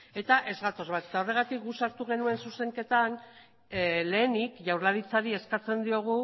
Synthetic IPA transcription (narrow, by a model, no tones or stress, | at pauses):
e̞t̪aʔe̞zɣat̪o̞zβat̪e̞t̪ao̞re̞ɣ̞at̪ik̚ɡusaɾt̪uɣ̞e̞nue̞nsuse̞ŋke̞t̪an | le̞ːnikʝawɾlaɾit͡saɾie̞skat͡se̞nd̪io̞ɣ̞u